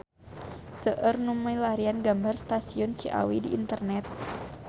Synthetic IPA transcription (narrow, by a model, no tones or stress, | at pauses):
səʔərnuməjlaɾianɡambarst̪asiɔnt͡ʃiʔa̰widiʔːnt̪ərnɛt̪̚